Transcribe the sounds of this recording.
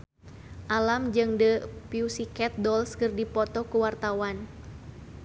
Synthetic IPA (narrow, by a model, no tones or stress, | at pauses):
ʔalamd͡ʒɨŋdəpiusikɛt̪̚dɔlskɨrdipɔt̪ɔkuwart̪awan